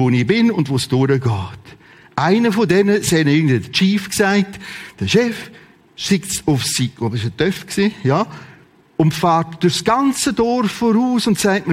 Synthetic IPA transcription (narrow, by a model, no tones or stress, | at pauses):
onɪbɪnʊndvosd̥ʊɾəɡɑːt | ʔaɪnəfodɛnəsɛnəɪɡn̩dviːd̥ət͡ʃiːfksaɪtd̥əʃɛf | ʃɪktsʊfsikobɪʃətœfksiːja | ʊntfaːɾtd̥ʊsɡ̥ant͡sədɔɾfːɔɾuːsʊntsaɪtmə